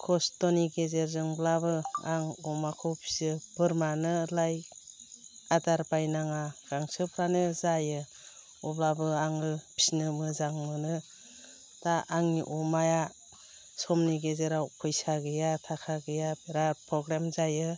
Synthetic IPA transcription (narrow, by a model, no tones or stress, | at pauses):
kʰɔstɔniɡezeɾzɯŋblabɯaŋɔmakʰɯwpʰi̥sɯb̥ɯɾmanɯlaj | adaɾbajnaŋaɡ̥aŋsɯpʰɾanɯzajɯ | ɔblabɯaŋɯpʰi̥snɯmɯzaŋmɯnɯ | taʔaŋiʔɔmaja | sɔmniɡezeɾawkʰɯjsaɡɯjatʰakʰaɡɯjaɾapʰɾɔɡɾemzajɯ